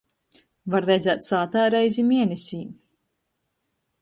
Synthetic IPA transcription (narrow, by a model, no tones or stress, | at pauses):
vaɾɾɛjd̪zæːt̪saːt̪æːɾɛjzʲimiɛnʲɛsʲiːm